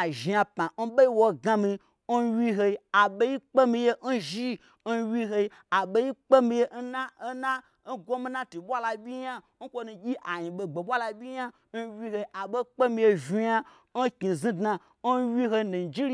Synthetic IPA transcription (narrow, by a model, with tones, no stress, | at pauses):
a˨ʒi˨ja˧pã˨n̩˦ɓe˦i˦wo˧ɡa˧mi˧ | n̩˦wi˦ɦe˧i˧a˨ɓe˦i˦k͡pe˦mĩ˧je˦n̩˦ʒi˦ | n̩˦wʲi˧ɦe˧i˧ | a˨ɓe˦ji˦k͡pe˦mĩ˧je˦n̩˦na˦na˦ | n̩˦ɡʷo˦mi˧˦na˦tu˨ɓʷa˦la˧bʲi˦ɲa˦ | n̩˦kʷo˧nũ˧ɡʲi˦ʔa˨ɲĩ˨ɓe˧ɡ͡be˨ɓʷa˦la˧ɓʲi˦a˦ | n̩˦wʲi˦he˧i˦ʔa˨ɓo˦k͡pe˦mĩ˧je˧ʒi˧ja˦ | n̩˦ki˨zĩ˦dna˧ | n̩˦wʲi˦ɦo˧nu˨n˨d͡ʒi˦ɾi˦